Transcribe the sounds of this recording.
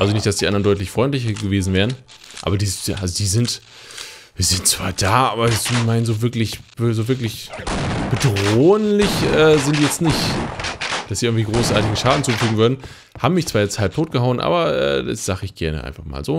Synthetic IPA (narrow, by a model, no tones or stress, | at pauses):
ʔalzonɪçtd̥asd̥iːʔandɐndɔʏtlɪçfʁ̥ɔʏntlɪçɐɡəveːzn̩vɛːʁən | ʔa̰ːbɐdiːz̥ʔalzodiːzɪnt | viːɐzɪntt͡sv̥a̰ːɐd̥aːʔaːbɐzmaɪnnzoːvɪɐklɪçb̥zoːvɪɐklɪçb̥ədʁoːənlɪçʔɛːzɪntijɛt͡stnɪçt | d̥asz̥iːʔɪɡŋtv̥iːɡʁoːsʔa̰ːɐtɪɡŋ̩ʃaːdn̩t͡suːfyːɡŋ̩vʏɐdn̩ | haːbmːɪçt͡sv̥aːjɛt͡sthalp̚tʰoːt̚ɡ̥əɦaʊənʔa̰ːbɐʔɛ̰ːda̰sz̥aːχəɪçɡ̥ɛɐnə̰ʔa̰ɪnfaχma̰ːlzoː